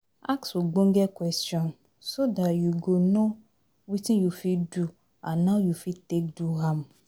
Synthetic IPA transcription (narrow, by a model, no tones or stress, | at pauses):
akswuɡ͡bõŋ̩ɡɛkwɛstɔ̃n | sodatjuɡono | witĩnjufidu | ãnːaʊjufitek̚duɦãm